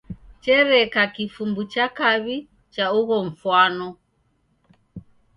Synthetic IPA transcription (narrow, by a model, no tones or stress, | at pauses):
t͡ʃɛɾɛkakifumbut͡ʃakaβi | t͡ʃauɣɔɱ̩fwanɔ